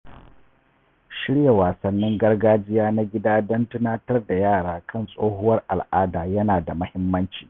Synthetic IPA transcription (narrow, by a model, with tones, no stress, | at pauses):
ʃɪ˦ɽja˨waː˨sɐ˨nːɪ˦ŋɡɐ˦rɡaː˦d͡ʒɪ˦jaː˦na˦ɡʲɪ˦daː˦dɐ˦ntʊ˦naː˦tɐ˦rda˨jaː˦˨ɽaː˦kʰɐ˦˨nsʼoː˦hʊ˦wɐ˦rʔa˨lʔaː˦daː˨jɐ˦naː˨da˨mɐ˦hɪ˦mːɐ˦nt͡ʃi̥ː˨